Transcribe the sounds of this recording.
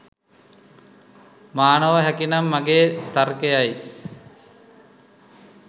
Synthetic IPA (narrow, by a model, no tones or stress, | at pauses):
maːnəʋəɦækinamːaɡeːt̪arkejaj